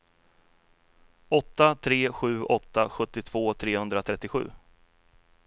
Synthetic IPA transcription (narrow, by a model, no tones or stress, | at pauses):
ɔt̪ːat̪ʰɾeːɧʉ̟ːɔt̪ːaɧɵt̪ːɪt̪ʰv̥oːt̪ʰɾeːhɵnd̪ɾat̪ʰɾɛt̪ːɪɧʉ̟ː